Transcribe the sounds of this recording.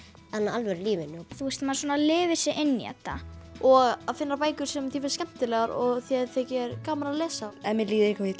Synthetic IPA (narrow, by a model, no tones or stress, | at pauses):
θanːaalvɛɾliːvɪnːɪɔθuɛst̪maðsoɔnalɪːvɪsɛʔɪnːḭɛ̰t̪ːa̰ɔɣaðfɪnːaɾpaːjkʏɾ̥sɛmθjɛvɛɾ̥scɛm̥t̪ɪlɛɣaɾɔɣθjɛðθɛcɪɛɾkaːmaɾalɛːsaɛnmɛliːðɪɾɪhkʰavɪt̪